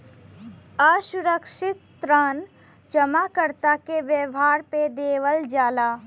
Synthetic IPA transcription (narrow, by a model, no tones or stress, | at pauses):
aːʃʊɾəkʃɪt̪ːɾan | d͡ʒəmakəɾt̪akeʋjəʋɦaːɾped̪eːʋəld͡ʒaːlaː